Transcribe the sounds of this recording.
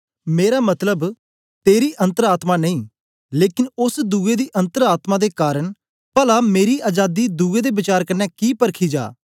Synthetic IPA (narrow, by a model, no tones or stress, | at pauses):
meːɾaːmət̪ləb | t̪eːɾiːʔə̃nt̪əɾaːt̪maːnəĩː | leːkɪnʊsd̪uːeːd̪iːʔə̃nt̪əɾaːt̪mãːd̪eːkaːɾəɳ | pəlaːmeːɾiːʔaːd͡ʒaːd̪iːd̪uːeːd̪eːbɪt͡ʃaːɾkənːɛːkiːpəɾkʰiːd͡ʒa̰ː